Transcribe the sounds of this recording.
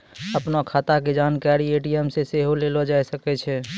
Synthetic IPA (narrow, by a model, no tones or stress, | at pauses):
əpnakʰaːt̪aked͡ʒaːnkaɾieːʈiɛmseseɦolelod͡ʒaɛsəkɛt͡ʃʰɛ